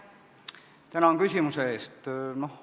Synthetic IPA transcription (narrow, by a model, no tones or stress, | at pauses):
t̪ænɑonkysʲimusee̞ːst̪no̞h